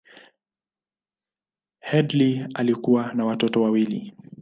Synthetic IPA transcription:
hɛdlialikuwanawatɔtɔwawili

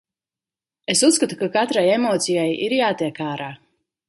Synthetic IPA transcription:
esusskat̪ukakat̪ɾajemɔːt̪sijajḭɾjaːt̪iɛkaːɾaː

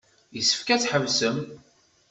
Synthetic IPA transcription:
jəsːə̥fkæt͡sħəvsəm

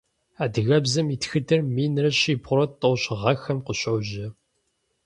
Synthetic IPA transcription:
aːdɨɣɐbzɐmiːtxɨtʰɨrmiːnrɐɕiːbʁʷʊɾɐtʼɐwɕʼɪʁɐxɐmqʊɕowʑɪ

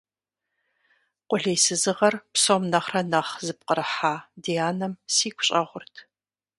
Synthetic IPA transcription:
qʷʊɮejsɨzɨʁɐrpsomnɐχrɐnɐχzɨp̚qəɾɨħaːdiaːnɐmsiːkʷʰʊ̥ɕʼɐʁʷʊrtʰ

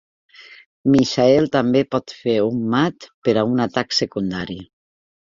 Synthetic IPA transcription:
miʃaɛlˠt̪ambepɔt̪feumːat̪pəɾaunat̪aksekund̪aɾi

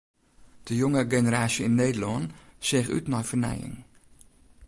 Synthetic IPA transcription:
d̥əjoŋəɡenəɾaːsjəinːeːdəlɔnsɪχy̰tnɔjfərnɛ̰jɪ̰ŋ

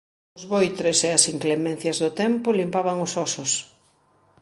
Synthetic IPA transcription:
ʊzβojt̪ɾeseɐsiŋklemẽn̟θjɐzðʊt̪ɛmpʊlimpaβaŋosɔsʊs

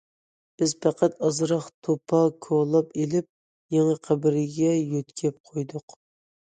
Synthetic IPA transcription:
b̥ɪzpʰæqʰæt̪ɑzɾɑχt̪ʰopʰɑkʰolˠɑpelɪp̚ | jeŋəqʰæbɪɾɪɡʲɛjøt̪kʲʰɛp̚qʰojd̪ʊq

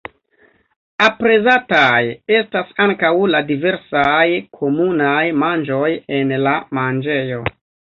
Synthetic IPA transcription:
apɾe̞zataje̞stasaŋkawladive̞ɾsajkʰo̞munajmand͡ʒo̞je̞nlamand͡ʒe̞jo̞

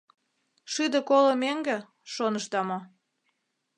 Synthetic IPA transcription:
ʃyd̪ə̆kolə̆meŋɡĕ | ʃonəʃt̪ɑmo

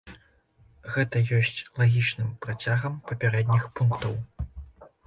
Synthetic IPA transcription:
ɣɛt̪ɐjɔsʲt͡sʲlˠaɣʲit͡ʂnɨmpɾat͡sʲaɣɐmpɐpʲaɾɛd̪ʲnʲixpunkt̪ɐw

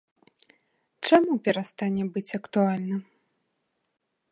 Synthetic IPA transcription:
t͡ʂamupʲɛɾast̪anʲɛbɨt͡sʲɐkt̪ualʲnɨ

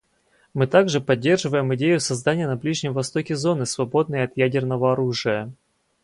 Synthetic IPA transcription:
mɨt̪aɡʐɨpɐdʲːe̞rʐɨvəjɪmɪdʲejʊsɐzd̪anʲɪjənɐblʲiʐnʲɪmvɐst̪o̞kʲɪzo̞nɨsvɐbo̞d̪nɨjɐt̪jædʲɪrnəvəɐɾuʐɨjə

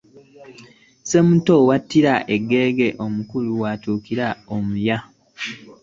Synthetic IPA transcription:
se̞mutowatːiɾaʔe̞ɡːe̞ːɡeʔo̞mukuluwatuːkiɾaomuja

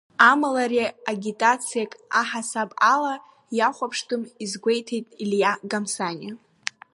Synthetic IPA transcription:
amalaɾiaɡʲitʼat͡sʰɨjakʼaħasapʼala | jaχʷapʰʂtʰʼɨmizɡʷejtʰejtʼiljaɡamsanʲi

